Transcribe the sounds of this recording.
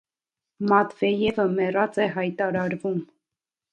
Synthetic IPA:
mɑt̪vɛjɛvəmɛrɑt͡sɛɦɑjt̪ɑɾɑɾvum

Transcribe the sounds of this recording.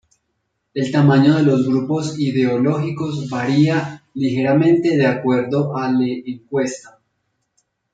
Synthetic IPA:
e̞lt̪amaɲo̞ðe̞lo̞zɡɾupo̞siðe̞olo̞xiko̞zbaɾialixe̞ɾamẽ̞nt̪e̞ðeakwe̞ɾðo̞ʔaleeŋkwe̞st̪a

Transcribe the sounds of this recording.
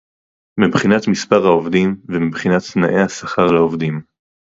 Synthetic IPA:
mibχinat̪mispaʁhaovd̪imvemibχinat̪naʔe̞jhasaχaʁlaovd̪im

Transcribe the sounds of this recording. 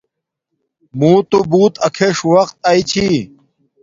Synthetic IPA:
mũːt̪ubuːt̪ɐkʰeʂuwɐqt̪̚aːit͡ɕʰi

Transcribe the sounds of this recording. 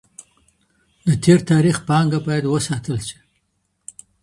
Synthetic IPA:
d̪ət̪ʰeɾt̪ɑɾixpɑŋɡabɑjad̪wəsɑt̪əlʃi̥

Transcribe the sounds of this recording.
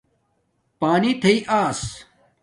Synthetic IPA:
paːnit̪ʰɐiʔaːs

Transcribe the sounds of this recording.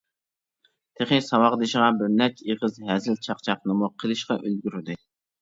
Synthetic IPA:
t̪ʰeχɪsɑwɑʁd̪ɨʃʁɑbɪɾnɛt͡ʃʲeʁəzɦɛzɪlt͡ʃʰɑqt͡ʃʰɑqnɨmuqʰəlˠɨʃqɑʔølɡʲyɾɪd̪ɨ

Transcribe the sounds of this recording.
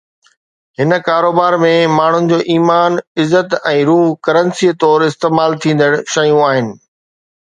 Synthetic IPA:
ɦɪnkaːɾoːbaːɾmẽmaːɳ̤ʊnɪ̆d͡ʑoːʔiːmaːnɪzːət̪ɛ̃ːɾuːɦkɐɾənsiːt̪ɔːɾɪst̪eːmaːlt̪ʰĩːn̆d̪əɽ̃ʃɐjũaːɦɪnɪ̆

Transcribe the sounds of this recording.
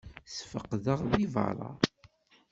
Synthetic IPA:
sfəqðəʁðivɑ̰ɾˤɑ̰

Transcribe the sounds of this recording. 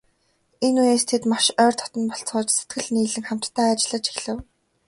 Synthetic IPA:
enujeːst̪ʰet̪maʃœːrt̪ʰɔ̥t̪ɞ̆npɔɬt͡sʊːt͡ɕse̥t̪̚ɡɘ̆ɮniːɮɘ̆ŋχam̥t̪ːʰæːat͡ɕɪ̆ɮə̆t͡ɕʰi̥xɮɘ̆w

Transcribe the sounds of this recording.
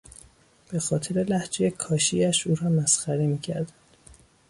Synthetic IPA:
b̥e̞xɒːt̪ʰeɾe̞læhd͡ʒejekʰɒːʃḭæʃuːɾɒːmæsxæɾemiːcʰæɾd̪ænd̪̥

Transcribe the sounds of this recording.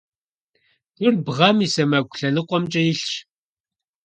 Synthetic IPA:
d̥ʊrbʁɐmisɐmɐɡʷɬɐnɨqʷɔmt͡ʃʼɐjɪɬʃ

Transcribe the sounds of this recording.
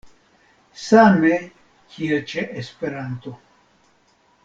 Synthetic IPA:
same | kʰiet͡ʃeʔespeɾant̪o

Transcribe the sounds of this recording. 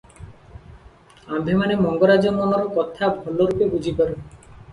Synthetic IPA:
ambʱemanemɔŋɡɔɾad͡ʒɔmɔnɔɾɔkɔt̪ʰabʱɔloɾupebud͡ʒʱipaɾe

